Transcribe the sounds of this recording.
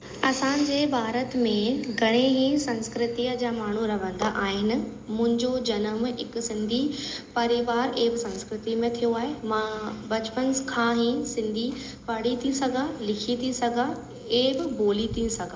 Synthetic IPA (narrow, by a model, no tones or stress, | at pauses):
ɐsãd͡ʑeːbʱaːɾət̪mẽɡʱɐɽ̃eɦĩsɐ̃nskɾɪt̪iəd͡ʑaːmaːɳ̤uɾɐʋə̃nd̪aʔaːɦɪnɪ̆ | mʊ̃ɦɪ̃ɲd͡ʑod͡ʑɐnəmɪkʊ̆sɪ̃nd̪ʱipɐɾiʋaːɾeɦbɪsɐ̃nskɾɪt̪imẽt̪ʰijoaːɦemãbɐt͡ɕpənkʰãːɦĩsɪ̃nd̪ʱi | pɐɽ̤it̪ʰĩsɐɡʱalɪkʰit̪ʰisɐɡʱa | eɦbɪboːlit̪ʰĩsɐɡʱa